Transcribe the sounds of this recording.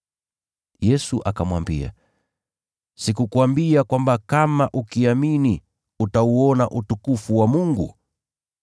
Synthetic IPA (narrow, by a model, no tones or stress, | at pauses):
jɛsuʔakamwambia̰ | sikukuambiakwambakamaʔukiamini | utauɔnaʔutukufuwamuŋɡu